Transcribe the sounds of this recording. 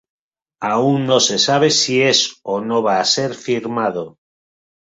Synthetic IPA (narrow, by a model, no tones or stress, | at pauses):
auŋːose̞saβ̞e̞sie̞sonoβ̞aːse̞ɾfiɾmað̞o